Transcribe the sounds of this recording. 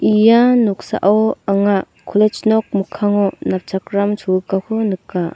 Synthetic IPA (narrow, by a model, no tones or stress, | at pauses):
ijanuk̚sa̰ʔawaŋa | kʰɔlet͡ʃnɔk̚mukʰːaŋɔnap̚t͡ʃʰakɾamt͡ʃʰuɯkakʰɯnɯkːa